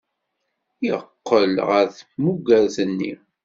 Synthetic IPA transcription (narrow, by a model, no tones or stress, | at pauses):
jə̰qːəlʁəɾθmuɡæɾθənːḭ